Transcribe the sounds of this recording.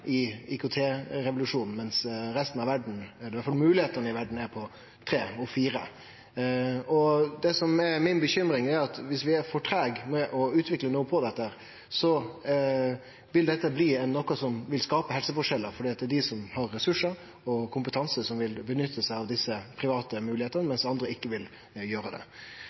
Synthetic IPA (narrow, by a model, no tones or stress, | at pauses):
ɪɪkʊt̪ʰeːɾɛʋʊlʉʂuːnn̩mɛnsɾɛst̪n̩ɑʋæɖɳ̩æd̪ɛʋæɾfɑlmʉːlɪheːt̪ənəɪʋæɖɳ̩æɾpʰɔ | t̪ʰɾeːɔfiːɾə̰ | ɔd̪ɛsɔmɛɾmɪnbəçʏmɾɪŋæɾɑt̪ʋɪsʋɪæɾfɔʈʰɾɛːɡmɛʔɔʉːt̪ʰʋɪklənuːəpʰɔd̪ɛt̪ːəhæːɾ | sɔ | ʋɪld̪ɛt̪ːəbliːɛnːɔkːʊsɔmʋɪlskɑːpəhɛlsəfɔʂɛlːəɾfɔɖiːɑt̪̚d̪ɛd̪ɪsɔmhɑɾːɛsʉʂəɾ | ɔkʰʊmpət̪ʰɑnsəsɔmʋɪlbənʏt̪ʰːəsæɪɑʋd̪ɪsːəpʰɾɪʋɑːt̪əmʉːlɪeːt̪ənəmɛnsɑnd̪ɾəɪkːəʋɪl | jøːɾəd̪ɛ̰